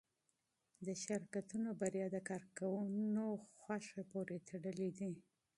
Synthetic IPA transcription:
d̪əʃɪɾkat̪unobaɾjɑd̪əkɑɾkawunoxwaʃepoɾet̪ʰaɽəlid̪i

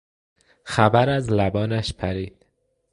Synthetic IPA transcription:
xæbæɾæzlæbɒːnæʃpʰæɾiːd̪̥

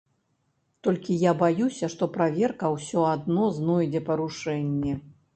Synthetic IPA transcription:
t̪ɔlʲkʲijabajusʲɐʂt̪ɔpɾavʲɛrkɐwsʲɔad̪nɔznɔjd͡zʲɛpɐɾuʂɛnʲːɛ

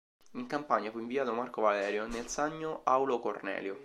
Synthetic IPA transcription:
iŋkampaɲːafuiɱviaːt̪omarkovalɛːɾjonelsaɲːoawlokornɛ̰ːljo

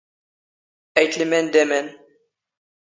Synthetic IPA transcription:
æjt̪limɛnd̪ɛmɛn

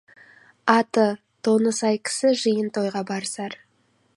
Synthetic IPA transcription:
ɑt̪ə | t̪ʰo̞nəsɑjkʲʰɪ̥sɪʒɨjənt̪ʰo̞jʁɑbɑɾsɑɾ

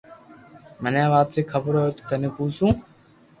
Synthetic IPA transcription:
mənãːʋaːt̪ɾiːkʰəbəɾoːt̪o̥t̪ʰɐnĩːpuːsũː

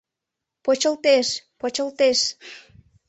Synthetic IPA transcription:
pot͡ɕəlt̪eʃpot͡ɕəlt̪eʃ

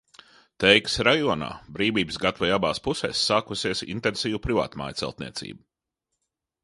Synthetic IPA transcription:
t̪ɛjksɾajɔɔna̰ːbɾiːviːbsɡat̪vajabaːspusɛ̰ːsːaːkusiɛsḭnt̪ɛnsiːvupɾiva̰ːt̪ma̰ːjt̪sɛ̰lˠt̪nḭɛt̪sḭːbu

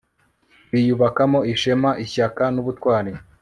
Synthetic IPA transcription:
βijuβakamo̞iʃemaʔiçakanuβutkwaːni

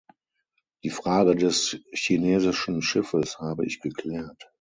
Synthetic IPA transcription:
d̥iːfʁ̥aːɡədɛsçineːzɪʃn̩ʃɪfəshaːbəʔɪ̰çɡ̥əkl̥ɛːɐt

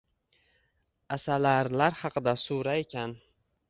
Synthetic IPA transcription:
asalaɾlaɾhɑqɨd̪asuɾae̞kʲʰan

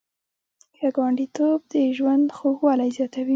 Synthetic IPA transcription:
kaɡwaɳɖit̪ob̚d̪əʒwand̪xoɣwɑlajzjɑt̪awi

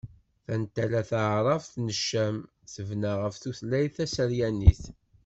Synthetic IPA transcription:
θænt̪ælæθəʕɾˤɑvθnəʃːæm | θəvnaʁəfθuθlæjθæsəɾjænːiθ

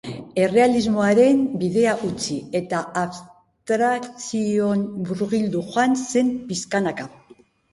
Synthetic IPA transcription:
e̞re̞alizmo̞aɾe̞mbiðe̞aʔut͡sie̞t̪aaβs | t̪ɾakt͡sionbuɾɣild̪uxoanse̞mpiskanaka

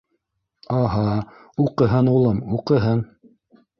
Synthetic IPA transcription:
ɑɦɑ | uqɤ̆ɦɤnulˠɤmuqɤ̆ɦɤn

